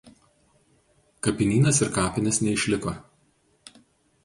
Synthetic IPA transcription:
kɐpʲɪnʲiːnɐsɪɾkɑːpʲɪnʲɪsnʲɛɪʃʲlʲɪko

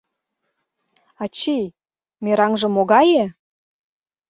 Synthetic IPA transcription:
ɑt͡ɕej | meɾɑŋʒɤ̆moɣɑje

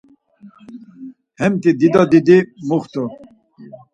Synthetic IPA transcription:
hɛmt̪id̪id̪ɑd̪id̪imuχt̪ɔ

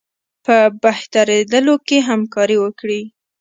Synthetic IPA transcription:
pəbaht̪aɾed̪əlokeɦamkɑɾiwəkɽi

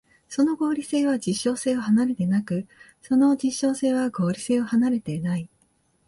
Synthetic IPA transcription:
so̞no̞ɡo̞ːɾʲise̞ːβ̞ad͡ʑiɕːo̞ːse̞ːo̞hanaɾe̞t̪e̞nakɯ̟ | so̞no̞d͡ʑiɕːo̞ːse̞ːβaɡo̞ːɾʲise̞ːo̞hanaɾe̞t̪e̞nai

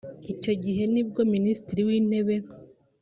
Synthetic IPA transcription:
ico̞ɟiɦe̞nib̚ɡo̞ministiɾiwiːn̥e̞βe̞

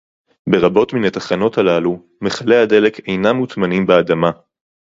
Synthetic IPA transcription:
be̞ʁabo̞tminat̪aχano̞thalalu | me̞χale̞ade̞le̞ke̞jnamːutmanimbead̪ama

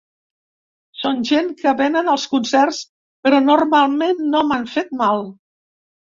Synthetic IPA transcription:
sonʲʒenkəβɛnənəlˠskunsɛrs | pəɾɔnurmalˠmenːomaɱfet̪̚malˠ

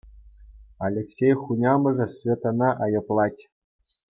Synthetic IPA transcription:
alʲeksʲejχunʲɑmɤ̆ʐɤ̆sʲvʲet̪onɑʔɑjɤ̆plˠɑtʲ

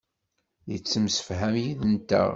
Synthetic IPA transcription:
jət͡sːəmsə̥fɦæmjiðənt̪æ̰

